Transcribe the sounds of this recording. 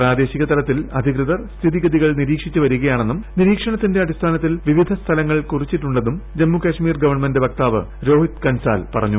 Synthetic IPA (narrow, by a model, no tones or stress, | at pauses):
praːd̪e̞ːɕiɣɐt̪ɐlɐt̪ːilɐd̪ʱikrɨðɐrst̪ʰiðiɡɐðiɣɐɭniɾiːkʂit͡ɕːuʋɐɾuɣɐjaːɳe̞nːumniɾiːkʂɐɳɐt̪ːinde̞ɐɽist̪ʰaːnɐt̪̬ːilʋiʋid̪ʱɐst̪ʰɐlɐŋːɐɭkurit͡ɕːiʈːuɳɖenumd͡ʑemːukɐʂmiːrɡɐʋɐrɳmendɨʋɐk̚t̪aːʋɨ̰ | ɾo̞ːɦit̪kɐnsa̰ːlpɐrɐɲːu